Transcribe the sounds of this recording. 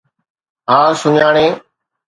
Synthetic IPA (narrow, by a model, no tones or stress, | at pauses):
ɦaːsʊɲaːɽ̃eː